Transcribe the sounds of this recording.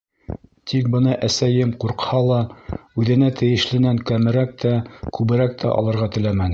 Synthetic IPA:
t̪ʰik̚bɤ̆nɑʔæsæjɘmquɾqhɑlˠɑʉðɘ̆næt̪ʰɘ̆jɘ̆ʃlɘ̆næŋkæmɘ̆ɾæk̚t̪ʰækʉβɘ̆ɾæk̚t̪ʰæ̰ʔɒ̰lˠɤ̆ɾʁɑt̪ɘ̆læmæn

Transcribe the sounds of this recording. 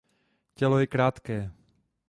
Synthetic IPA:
cɛlɔjɛkɾaːt̪kɛː

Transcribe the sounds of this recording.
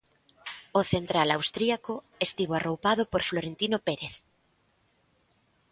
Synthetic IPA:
oθent̪ɾalawst̪ɾiako | est̪iβoarowpaðopoɾfloɾent̪inopeɾeθ

